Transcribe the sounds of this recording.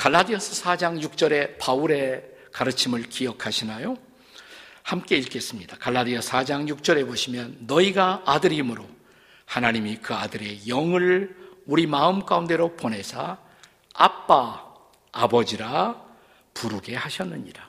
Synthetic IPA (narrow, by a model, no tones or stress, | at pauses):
kaɭːadiʌs͈ʰɯs͈ʰad͡ʑaŋjuk̚t͡ɕ͈ʌɾe̞pauɾe̞kaɾɯt͡ɕʰimɯɭkijʌkʰaɕʰinajo | hamk͈e̞iɭk͈e̞s͈ɯmɲid̥akaɭːadiʌs͈ʰad͡ʑaŋjuk̚t͡ɕ͈ʌɾe̞boɕʰimjʌnːʌiɡaːdɯɾimɯɾo | hanaɲimikɯadɯɾe̞jʌŋɯɭuɾimaɯmk͈aunde̞ɾopone̞sʰa | a̰p͈aː | bʌd͡ʑiɾa | puɾuɡe̞haɕʰʌnːɯɲiɾa